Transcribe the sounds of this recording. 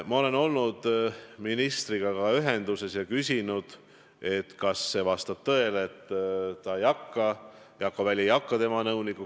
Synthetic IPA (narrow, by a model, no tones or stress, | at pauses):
mɑo̞le̞no̞lnud̪̥minist̪riɡ̥ɑkɑyɦe̞nd̪̥use̞sjɑkysʲinud̪̥ | e̞t̪kɑsːe̞vɑst̪ɑb̥̚t̪ɤe̞leet̪ːt̪ːɑejɑkːɑ | jɑkːovælʲjejɑkːɑt̪e̞mɑnɤuwnikːu